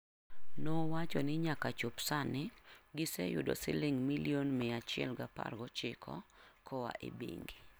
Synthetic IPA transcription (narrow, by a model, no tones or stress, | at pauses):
nowat͡ʃɔnɪɲakat͡ʃopsanɪɡɪsɛ̰jʊ̰do̰sɪ̰lɪŋmilionmɪat͡ʃɪɛ̰lɡapa̰rɡɔt͡ʃɪkʰɔ̰kʰɔwa̰ʔḛbḭŋɡi